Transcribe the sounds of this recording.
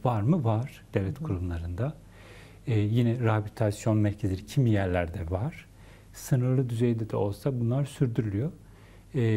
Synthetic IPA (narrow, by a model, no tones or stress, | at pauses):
vaɾmɯvaɾ̥d̪̥evlʲɛt̪kʰuɾumlˠaɾɯnd̪aː | jinɛɾapʰʲit̪ʰasjo̞nmæɾcʰeziɾicʰimijæɾlʲæɾd̪ɛvaɾ̥ | sɯnɯɾlˠɯd̪yze̞jd̪ɛd̪ɛ̰o̞lˠsabunlˠaɾsyɾd̪yɾylʲyjo